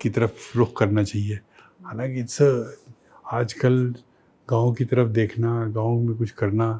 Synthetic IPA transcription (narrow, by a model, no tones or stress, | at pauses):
kit̪ɐɾəfɾʊkkɐɾnat͡ʃaːɦie | haːlãːkise | aːd͡ʒkɐl | ɡãːõkit̪ɐɾəfd̪eːkʰnaɡãːõmẽkʊt͡ʃʰkɐɾna